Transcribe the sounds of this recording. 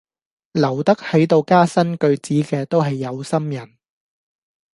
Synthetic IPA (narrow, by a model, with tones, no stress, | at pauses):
lɐ˨˩wt̪ɐ˥k̚hɐ˨˥jt̪o˧wkaː˥sɐ˥nkɵ˧ɥt͡siː˨˥kɛː˧t̪o˥wɦɐ˨jːɐ˨˧wsɐ˥mjɐ˨˩n